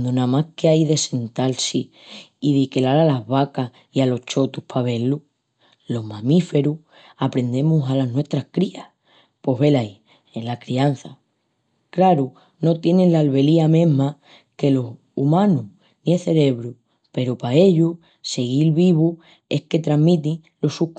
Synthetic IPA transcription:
d̪onãmahkeajðe̞se̞nt̪alsi | iðikelaɾalaɦβakah | ialo̞ht͡ʃo̞t̪upʰaβ̞e̞lu | lo̞ɦmãmife̞ɾu | apɾe̞nd̪e̞musalaɦnwe̞ht̪ɾahkɾia | po̞ɦβe̞laj | elakɾian̟θa | kɾaɾu | no̞t̪je̞nenlalβe̞liamẽ̞ɦma | ke̞lo̞s | umãnu | nĩeθe̞ɾe̞βɾu | pe̞ɾopae̞ʎu | se̞ɣilβiβu | e̞hke̞t̪ɾaɦmĩt̪iŋ | lo̞suk

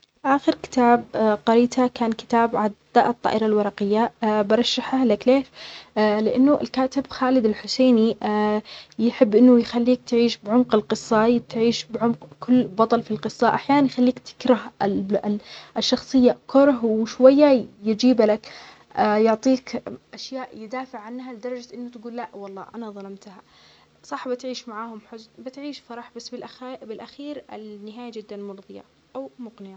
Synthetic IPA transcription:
fʔaːxɪɾkɪ̥t̪aːb̚qɑɾiːt̪ʰakaːnkɪ̥t̪aːbʕad̪aʔɨt̪ˤːɑ̰ːʔɪɾˤɑlwɑɾˤɑqɪjːabɑɾˤɑʃːaħalakleːʃlɪʔanːʊʔɪ̰lkaːt̪ɪbxaːlɪd̪ɪlħʊseːni | jħɪbːʔɪnːʊjxalːiːk̚t̪ʕiːʃbʕʊmqɪlqɨsˤːɑt̪ʕiːʃbʕʊmqkʰʊlːbɑt̪ˤɑlfilqɨsˤːɑʔaħjaːnanjxalːiːkt̪ʰɪ̥kɾɑh | ʔɪʃːɑxsˤɨjːakʊɾˤɦwɪʃwajːajɪd͡ʒiːblakː | jʊʕt̪ˤiːkʔaʃjaːʔjɪd̪aːfɪʕʕanːɦalɪd̪ɑɾˤɑd͡ʒaʔɪnːʊt̪aɡuːlːaʔwɑlˤːɑ̰ːʔanaðˤɑlɑmt̪ha | sˤɑħbɪt̪ʕiːʃmaʕaːhʊmħʊzbɪt̪ʕiːʃfɑɾˤɑħbasːbɪlʔabɪlʔaxiːɾɪ̰lnːɪɦaːjad͡ʒɪd̪ːanmʊɾðˤɨja̰ | ʔawmʊqnɪja

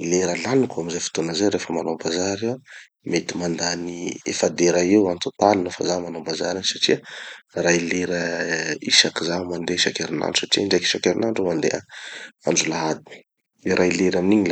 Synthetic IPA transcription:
leɾəlanikuamizafi̥t̪onəzeɾefəmanombazaɾew | met̪imand̪aniḛfad̪eɾaewant̪ot̪alinofa̰zamanombaza̰ɾinsaʈ͡ʂiərajleɾəiʃakizamand̪eʃakeɾina̰ɳɖ͡ʐusaʈ͡ʂiaɳɖ͡ʐaki̥ʃakeɾinaɳɖ͡ʐomand̪ḛaaɳɖ͡ʐulaɦad̪ii̥ | iɾʔajleɾaminiɲil

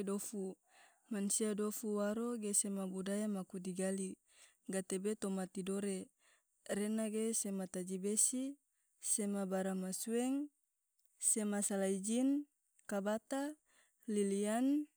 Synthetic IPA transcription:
dofu | mansiadofuwaɾoɡesemabudajamakudiɡali | ɡat̪ebet̪omat̪idoɾe | renaɡesemat̪ad͡ʒibesi | semabaɾamasuɛŋ | semasalaid͡ʒin | kabat̪a | lilian

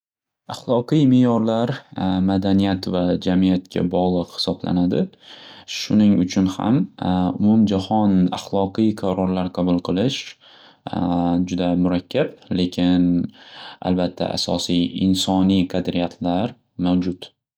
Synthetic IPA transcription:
aχlˠɒqɨjmɪjɒɾlaɾmad̪anijat̪vad͡ʒamijat̪̚kʲʰa̰bɒʁlˠɨqhɪ̥sɒbla̰nad̪ɪ | ʃʊnɪŋʊt͡ʃʰʊnha̰mʊmʊmd͡ʒahɒna̰χlˠɒqɨjqʰaɾɒɾlaɾqʰɑbʊlˠqʰɨlˠɪʃ | d͡ʒʊd̪amʊɾakʲʰːable̞kʲʰɪn | a̰lbat̪ʰːa̰ʔa̰sɒ̰sijɪ̰nsɒnijqʰɑd̪ɾijat̪ʰlaɾ | mawd͡ʒʊt̪

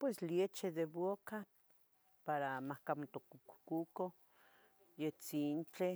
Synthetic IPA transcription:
pwesljet͡ʃed̪eβoka | paɾamahkamot̪okuku̥kuko | jet͡sint͡ɬe

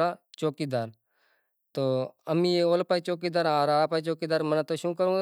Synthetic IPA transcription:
at͡ɕokid̪aɾ | t̪oamiolpajt͡ɕok̬id̪aɾãɾapajt͡ɕokid̪aɾm̤ənat̪oɕũːkəɾũ

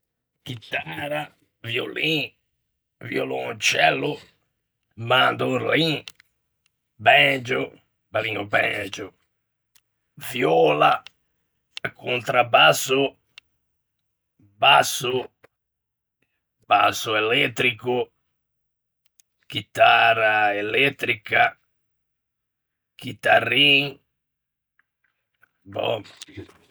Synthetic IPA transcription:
kit̪ːaɾa | vjo̰lĩ | vjolont͡ʃɛlːʊ | mand̪olĩ | bɛd͡ʒo | baliŋobɛ̰̃d͡ʒʊ | vjɔla̰ | kʰunt̪ɾabasːʊ | basːʊ | b̥asːʊɛlɛt̪ːɾikʊ | k̟it̪araɛlɛt̪ːɾika | k̟it̪ariŋ | bɔ̰

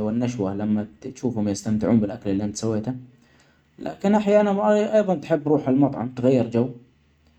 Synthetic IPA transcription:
wɪnːaʃwalamːat̪ʃuːfhʊmjɪst̪amt̪ɪʕuːnbɪlʔakalɪlːiʔant̪sawːeːt̪a | lʔa̰ːkɪnʔaħjaːnaʔʔɑjðˤɑnt̪ħɪbːɾˤuːħalmɑt̪ˤʕɑ̰mt̪ɣajːɪɾd͡ʒaw

